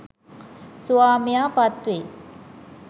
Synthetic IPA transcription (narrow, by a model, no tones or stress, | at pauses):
suaːmijaːpat̪ʋe